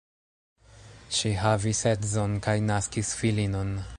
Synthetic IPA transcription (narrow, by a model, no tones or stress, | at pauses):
ʃiɦavisetzonkajnaskisfilino̞n